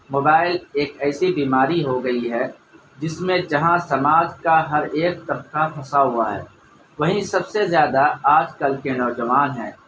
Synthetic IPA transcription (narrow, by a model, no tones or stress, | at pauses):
moːbaːɪleːkɛːsibiːmaːɾiɦoɡɐiɦɛ | d͡ʒɪsmẽd͡ʒɐɦãsɐmaːd̪kaɦɐɾeːk̚t̪ɐb̚kapʰɐsaɦʊaɦɛ̰ː | ʋɐɦĩsɐbsezjaːd̪aaːd͡ʒkɐlkenɔːd͡ʒɐʋaːnɦɛ̃ː